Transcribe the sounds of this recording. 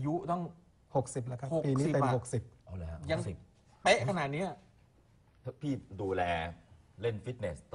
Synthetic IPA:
a˧ju˦˥t̪ɔ˥˩ŋ | ho˨˩k̚si˨˩p̚la˦˥kʰa˦˥o˨˩pːiː˧niː˦˨˩t̪e˧mho˨˩k̚si˨˩p̚ʔa˧˩lɛː˦˥ja˧ŋsi˨˩p̚ | pe˦˥ʔʰa˧naː˨˩t̪̚ni˦˥ɐ | t̪ʰpʰiː˥˩duː˧lɛː˧le˥˩nfi˦˥t̪̚ne˩st̪

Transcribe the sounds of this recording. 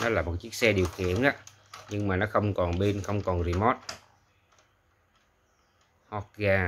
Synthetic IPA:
nɔ˨˦laː˨˩mo˨˩t̚t͡ɕɨ˦˥ək̚sɛ˧ɗi˨˩əwxḭ˧˨ənʔaː˧˦ | ɲɨ˧ŋmaː˨˩nɔ˨˦xə˧wŋ͡mkɔ˨˩nɓe˧nxə˧wŋ͡mkɔ˨˩nzi˧˩mɔ˦˥t̚ | hɔ˦˥k̚ɣaː˧

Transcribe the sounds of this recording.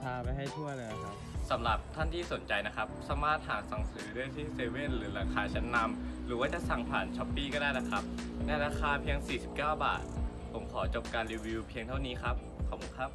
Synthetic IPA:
pʰaː˧pa˧jɦa˥˩jt̪ʰu˥˩ɐlɤː˧na˧˩kʰa˦˥p | sa˩˦mɾa˨˩p̚t̪ʰa˥˩nt̪ʰiː˥˩so˨˩˦nt͡ɕa˧jna˦˥kʰa˦˥p̚saː˩˦maː˥˩t̪̚ɦaː˩˦sa˨˩ŋsɯː˩˦djt̪ʰiː˥˩seː˧we˥˩nɾɯː˩˦ɾaː˧kʰaː˧t͡ɕʰɛ˦˥nːa˧mɾɯː˩˦waː˥˩t͡ɕa˨˩ʔsa˨˩ŋpʰa̰ː˨˩nt͡ɕʰɔ˦˥pːiː˥˩kɔː˥˩daː˥˩jna˦˥kʰa˦˥p̚nɛ˧ɾaː˧kʰaː˧pʰi˧əŋsiː˨˩si˨˩p̚kaː˥˩wba̰ː˨˩t̪̚ | pʰo˩˦mkʰɔː˩˦t͡ɕo˨˩p̚kaː˧nɾiː˧wi˧pʰi˧ŋt̪ʰa˥˩wniː˦˥kʰa˦˥p̚kʰɔː˨˩p̚kʰu˧˦nkʰa˦˥p̚

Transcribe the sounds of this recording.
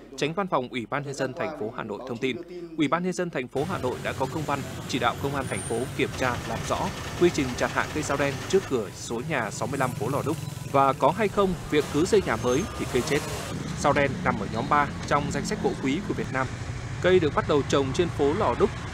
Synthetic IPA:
t͡ɕa˨˦ŋ̟va˧nfa˨˩wŋ͡mʔwi˧˩ɓaː˧nɲə˧nzə˧nt̪ʰa˨˩jŋ̟fo˨˦ɦa̰ː˨˩no̰˧˨jt̪ʰə˧wŋ͡mt̪i˧nʔwi˧˩ɓaː˧nɲə˧nzə˧nt̪ʰa˨˩jŋ̟fo˨˦ɦaː˨˩no̰˧˨jɗa̰ː˧˥kɔ˨˦kə˧wŋ͡mva˧nt͡ɕi˧˩ɗa̰ː˧˨wkə˧wŋ͡mʔaː˧nt̪ʰa˨˩jŋ̟fo˨˦ki˧˩əmt͡ɕaː˧laː˨˩mzɔ̰˧˥kwi˧t͡ɕï˨˩ŋ̟t͡ɕaː˨˩nha̰ː˧˨kə˧jzaː˧wɗɛ˧nt͡ɕɨ˦˥əkːɨ˧˩əso˨˦ɲaː˨˩sa˨˦wmɨ˧əla˧mfo˨˦lɔ˧˨˩ɗʊ˦˥k͡p̚ | vaː˨˩kɔ˨˦ɦa˧jxə˧wŋ͡mvi˨˩əkːɨ˨˦sə˧jɲaː˨˩məː˨˦jt̪ʰḭ˨˩kə˧jt͡ɕe˦˥t̚zaː˧wɗɛ˧nːa˨˩mʔəː˧˩ɲɔ˨˦mɓaː˧ | t͡ɕɔ˧wŋ͡mza˧jŋsa˦˥k̚ɓo̰˧˥kwi˨˦ku˧˩əvi˨˩ət̚naː˧m | kə˧jɗɨ˨˩ək̚ɓa˦˥t̚ɗə˨˩wt͡ɕə˨˩wŋ͡mt͡ɕe˧nfo˨˦lɔ˨˩ɗʊ˦˥k͡p̚

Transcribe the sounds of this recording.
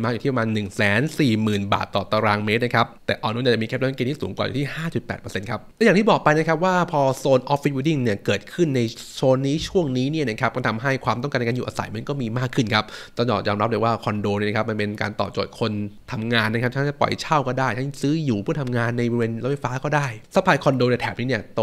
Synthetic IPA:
maː˦˥k̪ʰiː˥˩˧maː˧nːɯ˨˩ŋsɛː˨˩˦nsiː˨˩mɯː˨˩nba̰ː˨˩t̪ːɔː˨˩t̪a˧ɾaː˧ŋmeː˦˥na˦˥kʰa˦˥p̚t̪ɛ̰ː˨˩ʔɔː˧nu˦˥˩nja˨˩t͡ɕa˨˩mːi˧kʰːla˦˥ma˧˥keː˧t̪ʰi˥˩suː˩˦ŋkwaː˨˩jṵ˨˩t̪ʰi˥˩haː˥˩t͡ɕu˨˩t̪̚pɛ̰ː˨t̪̚pəː˧se˧nkʰa˦˥p̚lɛ˦˥jaː˨˩t̪ʰiː˥˩bɔː˨˩k̚pa˧jna˦˥kʰa˦˥p̬̚waː˥˩pʰɔː˧soː˧nʔɔː˦˥ffi˦˥wuː˧˩di˥˩ŋni˥˩ɐkɤː˨˩t̪̚kʰɯ˥˩nːa˧jsoː˧nːiː˦˥t͡ɕʰu˥˩əŋniː˦˥ni˥˩ɐna˦˥kʰa˦p̚kɔː˥˩t̪ʰa˧mɦa˥˩jkʰwaː˧mt̪ɔ˥˩ŋa˧n˧kaː˧juː˨ʔaː˧sa̰˨˩˦jma˧nkɔː˥˩miː˧maː˥˩kʰːɯ˥˩nkʰa˦˥p̚t̪ɔː˥˩ŋt͡ɕɔ̰ː˨˩jɔː˧mɾa˦˥lːwaː˥˩kʰɔ˧ndoː˧ni˥˩na˦˧kʰp̚ma˧npe˧nka̰ː˧nt̪ɔ̰ː˨˩p̚t͡ɕo̰˨˩t̪̚kʰo˧nt̪ʰa˧mŋaː˧nːa˦kʰa˦˥p̪̚ʰa˦˥ka˥˩pɔ̰˨˩jt͡ɕʰa˥˩wkɔː˥˩daː˥˩jt̪ʰa˦˥˩sɯː˦˥juː˨˩pʰuː˥˩t̪ʰa˧mŋaː˧nːa˧jbɔ˧i˧weː˧nla˦˥fa˧˥jfaː˦˥kɔː˥˩daː˥˩jsa˦˥pʰːaː˧jkʰɔ˧ndoː˧ni˥˩t̪ʰɛː˨˩p̚niː˦˥ni˥˩ɐt̪

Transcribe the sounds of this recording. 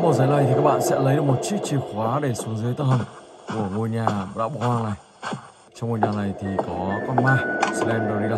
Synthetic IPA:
mo˨˩t̚zaː˨˦nla˨˩jt̪ʰi˨kaː˦˥k̚ɓa̰ː˧˨nsɛ̰˧˥lə˨˦jɗɨ˨˩k̚mo˨˩t̚t͡ɕi˦˥k̚t͡ɕi˧˨˩xwaː˨˦ɗe˧˩su˨˦əŋzɨː˨˦jt̪ə˧˩hə˨˩ŋ | ku˧˩əŋo˨˩əɲaː˨˩ɗa̰ː˧˥ɓɔ˨˦hwaː˧ŋna˨˩j | t͡ɕɔ˧wŋ͡mmo˨˩ɲaː˨˩na˨˩jt̪ʰi˨˩kɔ˨˦kɔ˧˦maː˧˩slɛ˧nɗɔ˨˧˩ɗi˧ɗa˨˩

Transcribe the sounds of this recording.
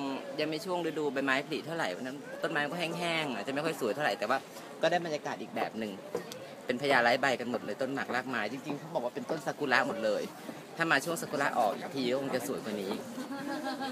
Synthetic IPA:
ja˧ŋma˥˩jt͡ɕʰu˥˩əŋduː˧˥˦duː˧ba˧jmaː˦˥jpʰa˧li˨˩t̪ʰːa˥˩wɾa˨˩jpʰa˧˩na˦˥t̪o˥˩nmaː˦˥ma˧kɔ˥˩ɛ˥˩ŋɦɛː˥˩ŋa˨˩t͡ɕa˨˩ma˥˩jkʰɔ˥˩jsu˨˦j̪ʰwɾa˨˩jt̪ːwaː˥˩ | kɔː˥˩daː˥˩jba˧njaː˧kaː˨˩t̪̚iː˨˩k̚bɛː˨˩p̚nɯ˨˩ŋ | pe˧npʰjaː˧laː˦˥jba˧jka˧nmo˨˩t̪̚lɤː˧jt̪o˥˩nma˨˩k̚laː˥˩k̚maː˦˥jt͡ɕi˧ŋt͡ɕi˧ŋkʰa˦˥wbɔː˨˩k̚waː˥˩pe˧nt̪o˥˩nsa˧˥ku˧la˦˥ʔmo˨˩t̪̚lɤː˧j | t̪ʰa˥˩maː˧t͡ɕʰu˥˩əŋsa˧ku˧la˦˥ʔɔ̰ː˨˩k̚ʔiː˨˩k̚t̪ʰiː˧kɔ˥ko˧ŋt͡ɕa˨˩su˨˩˦jkwa˧˩niː˦˥

